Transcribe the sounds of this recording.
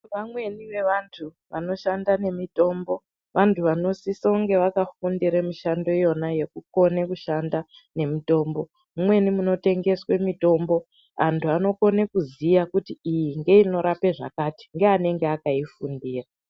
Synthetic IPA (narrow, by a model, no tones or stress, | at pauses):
ʋamwe̞niʋe̞ʋantʰu | ʋa̰no̞ʃandane̞mito̞ːmbo̞ | ʋʔantʰuʋano̞sisouŋɡe̞ʋakafundiɾemiʃando̞jo̞naje̞kuko̞nekuʃanda | ne̞mito̞ːmbo̞ | mumwe̞nimuno̞te̞ŋɡe̞swe̞mito̞mbo̞ | antʰuano̞ko̞ne̞kuzijakutiijiŋɡe̞ino̞ɾape̞ʐa̰kaːti̥ŋɡeane̞ŋɡeakaifundiːra